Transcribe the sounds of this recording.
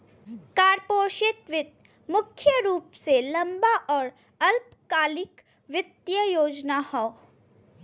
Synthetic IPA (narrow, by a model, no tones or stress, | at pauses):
kaːɾpoːʃɪt̪ʋɪt̪̚ | mʊkʰːjəɾuːpselɐ̃mbaʔɔːɾ | ɐlp | kaːlɪk | ʋɪt̪jəjoːd͡ʒnahɔː